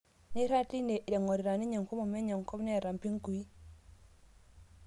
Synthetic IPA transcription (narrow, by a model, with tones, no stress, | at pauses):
ni˦ɾa˦ti˦ne˨ʔi˨de˨ŋɔ˨ɾi˨ɾa˨ni˦ɲo˨ŋko˦mɔ˨mɛ˦ɲɔ˨ŋko˦bne˦˨ɾa˨mpi˦ŋku˨i˦